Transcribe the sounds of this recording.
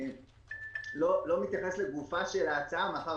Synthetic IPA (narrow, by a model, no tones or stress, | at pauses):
lolo̞mit̪jaχesleɡufaʃelaːt͡saamaχa